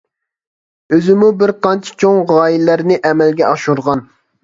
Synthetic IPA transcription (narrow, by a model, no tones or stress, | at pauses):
øzɪmubɪɾqɑnt͡ʃʰi̥t͡ʃʰoŋʁɑːjilːæɾnɪʔɛmɛlɡʲɛɑʃuɾʁɑn